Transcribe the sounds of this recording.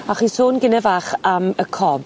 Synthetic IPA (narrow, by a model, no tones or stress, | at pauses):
aχiːsoːnɡɪnɛvaːχaməkʰɔb